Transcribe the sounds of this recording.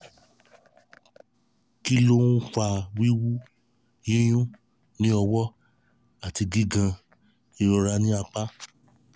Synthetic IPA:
ki˦lo˦ũ˦fa˧˨wi˦wu˦ | jĩ˦j̃ũ˦ | nĩ˦ɔ˧wɔ˦ | a˨ti˧ɡi˦ɡã˧ | i˧˨ɾɔ˧ɾa˧nĩ˦a˧k͡pa˦

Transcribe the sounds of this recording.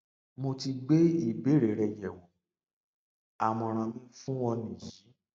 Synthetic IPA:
mo˧ti˧ɡ͡be˦i˦˨be˨˦ɾe˨˦ɾɛ˨jɛ˨wɔ˨˦ | a˨mɔ̃˧ɾ̃ã˧mĩ˦fũ˦wɔ˧nĩ˨ji˨˦

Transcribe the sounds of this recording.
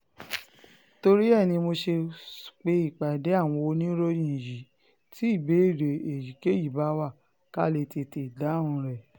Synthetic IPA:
to˧ɾi˦ɛ˦˨nĩ˧mo˧ʃe˧k͡pe˧i˦˨k͡pa˨de˨˦a˦˨w̃ɔ̃˧o˧nĩ˦ɾo˦jĩ˨ji˨˦ | ti˨˦i˦˨be˨˦i˦˨ɾe˨e˨ji˨ke˦ji˨ba˨˦wa˦˨ | ka˦˨le˧te˧te˨da˨˦ũ˧ɾɛ˦˨

